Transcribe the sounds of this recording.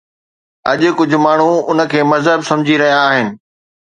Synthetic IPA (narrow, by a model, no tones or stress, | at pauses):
ɐʄʊ̆kʊd͡ʑʱʊ̆maːɳ̤ũʊnə̆kʰeːmɐzɦəbsɐ̃md͡ʑʱiɾɐɦijaːɦɪnɪ̆